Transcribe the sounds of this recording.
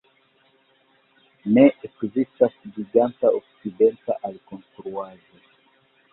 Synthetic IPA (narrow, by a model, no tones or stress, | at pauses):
nɛʔekzist̪asɡiɡant̪aʔɔksid̪ɛnt̪aʔalkɔ̃nst̪ɾuaʒo